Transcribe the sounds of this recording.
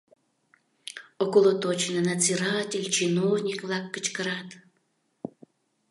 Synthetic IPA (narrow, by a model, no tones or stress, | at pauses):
okolˠot̪ot͡ʃinənɐziɾatʲelʲt͡ʃinovnʲikvlˠɑkːət͡ʃkəɾat̪